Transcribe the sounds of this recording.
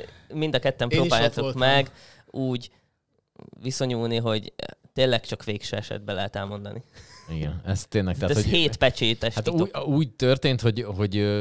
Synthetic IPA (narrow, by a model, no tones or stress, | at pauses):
mind̪ɒkɛt̪ːɛmpɾoːbaːjat̪okmmɛɡ | uːɟ | ʋiso̞ɲuːlniɦo̞ɟt̪eːlɛk̚t͡ʃɒkʋeːkʃøːɛʃɛ̰d̪̚bɛlɛɦɛt̪ɛlmo̞nd̪ɒ̰niiɡɛnɛst̪ːeːnlɛk̚t̪ɛaːɛhoheːt̪pɛt͡ʃeːt̪ɛʃat̪iuuːɟ̚t̪ørt̪eːnt̪hoɟɦo̞ɟ